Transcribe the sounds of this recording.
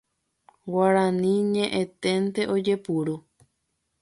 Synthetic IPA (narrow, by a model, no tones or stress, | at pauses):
waɾãnĩɲẽʔẽt̪e̞nt̪e̞ʔo̞d͡ʒe̞puɾu